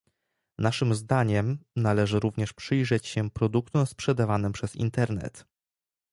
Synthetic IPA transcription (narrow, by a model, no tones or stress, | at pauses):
naʂɘmzd̪aɲɛmnalɛʐɘɾuvɲɛʂpʂɘjʐɛt͡ɕɕɛpɾɔd̪ukt̪ɔ̃w̃spʂɛd̪avanɘmpʂɛz̥ḭnt̪ɛɾnɛ̰t̪